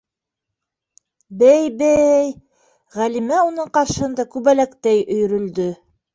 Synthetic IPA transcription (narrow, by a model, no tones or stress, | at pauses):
bæjbæj | ʁælimæunɤɴqɑɾʃɤhɤ̆nd̪ɑkʉβælækt̪æjɵ̆j̆ɾɵ̆ld̪ɵ